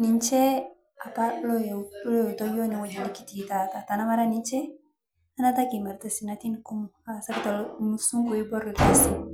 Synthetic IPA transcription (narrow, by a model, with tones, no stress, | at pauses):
ni˨nt͡ʃɛ˦ | a˨palɔlɔ˦jtɔjɔ˦ni˨wa˨d͡ʒa˨ni˦ki̥˦titatatanama˦ɾani˦nt͡ʃɛ˦ | a˦nataki˨ma˨ɾtasi˨nati˦nku˦mu | asa˦ktalmsu˦ŋku˨i˦bɔ˦ɾlkisi